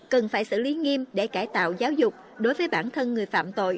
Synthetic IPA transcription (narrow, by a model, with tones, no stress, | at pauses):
kə˨˩nfaː˧˩jsɨ̰˧˨li˨˦ŋi˧mɗe˧˩kaː˧˩jt̪a̰ː˧˨wzaː˨˦wzʊ˨˩k͡p̚ | ɗo˨˦jvəː˨˦jɓaː˧˩nt̪ʰə˧nŋɨ˨˩əjfa̰ː˧˨mt̪o̰˧˨j